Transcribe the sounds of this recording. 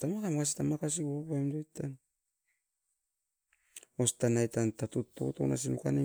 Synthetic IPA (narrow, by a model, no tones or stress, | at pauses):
tamakamakas̬i̥tamakas̬iopaemdojtan | ostanajtantatutːo̰tona̰s̬inukane